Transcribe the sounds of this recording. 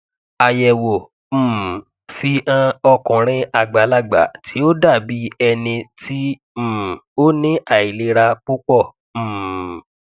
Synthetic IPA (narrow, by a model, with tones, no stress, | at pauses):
a˨jɛ˨wo˨ | m̩ː˦˨ | fi˧ʔã˦ɔ˧kɔ̃˨ɾ̃ĩ˧a˧˨ɡ͡ba˨˦la˦˨ɡ͡ba̰˨tʰi˨˦o˦da˦˨bi˨˦ɛ˧nĩ˧ti˦ | m̩˦˨o˦nĩ˦ʔa˦˨i˨le˧˦ɾa˧k͡pu˦k͡pɔ˦˨ | m̩̃ː˦˨